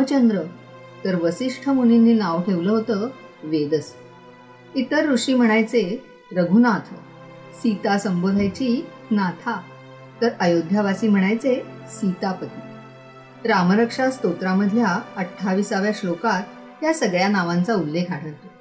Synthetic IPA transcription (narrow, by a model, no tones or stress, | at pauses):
ət͡ɕənd̪ɾə | t̪əɾʋəsiʂʈʰəmuninːiːnaʋʈʰeʋləɦot̪əː | ʋed̪əs | it̪əɾːuʂiːm̤əɽ̃ajt͡se | ɾəɡʱunat̪ʰə | sit̪asəmbod̪ʱajt͡ɕiː | nat̪ʰa | t̪əɾəjod̪ʱjaʋasiːm̤əɽ̃ajt͡se | sit̪apət̪i | ɾaməɾəkʂast̪ot̪ɾaməd̪ʱjaəʈʰːaʋiːsaʋjaslokat̪ː | jasəɡɭjanaʋant͡saulːekʰɦaɽ̤ʰəʋt̪o